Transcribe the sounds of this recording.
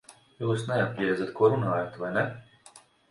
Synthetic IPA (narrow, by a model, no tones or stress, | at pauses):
juːsnɛapʲjiɛzat̪kuɔɾunaːjat̪ʋajnɛ